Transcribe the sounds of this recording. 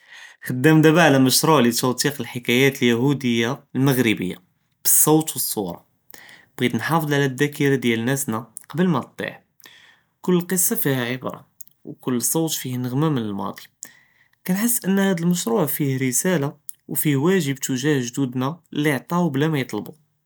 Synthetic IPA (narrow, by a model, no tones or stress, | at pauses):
xəd̪ːəmd̪æbaʕlæməʃɾˤuʕlit̪æwt̪iqəlħəkæjæt̪əljæhud̪əjːalməɣɾəbə̰jːa̰ | b̥əsˤːɑwt̪wəsˤːuɾˤɑ̰ | b̥ɣid̪nħɑfəd̪ˤʕlæd̪ːækiɾad̪jælnæsnæ | qɑbəlmæt̪ˤːḭħ | kʊlːlqəsːɑfihæʕəbɾˤɑ̰ | wkʊlːsˤːɑwt̪fihnəɣmæmənəlmɑ̰d̪ˤi | kænħəsːʔənːhæd̪əlməʃɾuʕfihɾəsælawfihwæʒəbt̪uʒæhʒd̪ud̪nælːiʕt̪ˤɑwblæmæjət̪ˤlbu